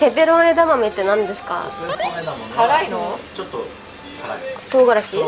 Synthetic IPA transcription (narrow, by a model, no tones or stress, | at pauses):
t̪e̞be̞ɾõed̪amame̞t̪ːe̞nãnd̪e̞sɨ̥ka̰ | haɾainot͡ɕot̪ːo | t̪oːɡaɾaɕi